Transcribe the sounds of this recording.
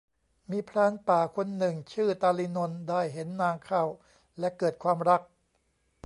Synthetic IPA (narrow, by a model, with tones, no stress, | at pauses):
miː˧pʰɾaː˧˥npaː˨˩kʰo˧nːɯ˨˩ŋt͡ɕʰɯː˥˩t̪aː˧li˧no˧ndaː˥˩jɦe˩˦nːaː˧ŋkʰa˥˩w | lɛ˦˥kɤː˨˩t̪̚kʰwaː˧mɾa˦˥k̚